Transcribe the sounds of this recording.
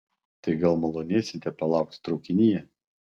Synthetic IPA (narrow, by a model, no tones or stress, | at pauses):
t̪ɐɪɡɐlˠmɔlˠoːnʲiːsʲɪnʲt̪ʲɛpɐlˠɑˑʊk̚t̪t̪ɾɔʊkʲɪnʲiːjɛ